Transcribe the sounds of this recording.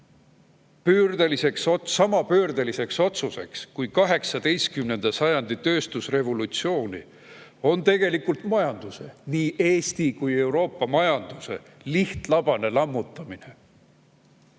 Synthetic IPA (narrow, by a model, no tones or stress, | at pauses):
pyːrd̪elise̞ksosɑmɑpøːrd̪̥elise̞kso̞t̪suse̞̰kskujkɑɦe̞ksɑd̪e̞jskymne̞nd̪ɑsɑjɑnd̪̥it̪ø̞ːst̪usre̞vo̞lut̪sio̞ːnḭ | o̞nt̪e̞ɡ̥e̞likult̪mɑjɑnd̪̥use̞̰niːʔe̞ːst̪ikuje̞wɾo̞ːpːˑɑmɑjɑnd̪̥use̞̰ | liht̪lɑb̥ɑne̞lɑmːut̪ːˑɑmine̞